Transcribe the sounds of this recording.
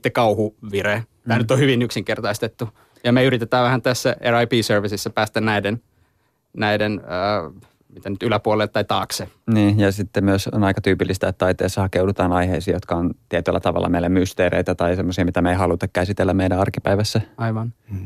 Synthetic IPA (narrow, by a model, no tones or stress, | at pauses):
t̪ːekɑuhuʋire | t̪æːnyt̪ːˑohyʋinyksiŋkert̪ɑist̪et̪ːu | jɑmeyrit̪et̪æːʋʋæhænt̪æsːæerɑipiːsørʋisisːæpæːst̪ænnæiden | næidenə | mit̪ænyt̪ylæpuolelt̪tɑit̪ɑːkseniːjɑsit̪ːemyøso̰nɑikɑt̪yːpilːist̪æet̪ːɑit̪eːsːɑhɑkeudut̪ɑːnɑiheisiːjot̪kɑont̪iɛt̪ylːæ̰t̪ɑʋɑ̰lːʔɑ̰meilːemyst̪eːɾḛit̪æt̪ɑisemːosiɑmit̪æmeihɑlut̪ɑkkæsit̪elːæmmeiɾæɑrkipæiʋæsːæɑiʋɑn